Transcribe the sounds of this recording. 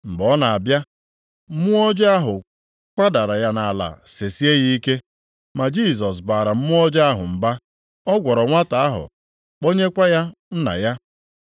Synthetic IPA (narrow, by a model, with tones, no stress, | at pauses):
ŋ͡m̩˨ɡ͡bɔ˨˦na˨a˨bja˦ | m̩˦mʊ˦ɔ˦d͡ʒa˦ɦʊ˨ | kʷa˦da˨ɾa˨ja˦na˨la̰˨se˨si˦e˦ɣi˦ke˦ | ma˨d͡ʒi˦˨s̬ɔ˨s̬ba˨ɾa˨m̩˦mʊ˦ɔ˦d͡ʒa˦ɦʊ̰˨m̩˨ba˦ | ɔ˦ɡʷɔ˨ɾɔ˨ŋʷa˦ta˨a˦ɦʊ̰˨ | k͡po˦ɲe˦kʷa˦ja˦n̩˦na̰˨ja˦